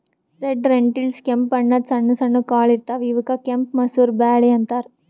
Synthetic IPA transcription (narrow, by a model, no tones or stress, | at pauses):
ɾeɖɾeɳʈilskempɐɳːɐd̪sɐɳːusɐɳːukaːɭiɾt̪aːʋiʋɐkɐkempmɐsuːɾbaːɽeɐnt̪aːɾ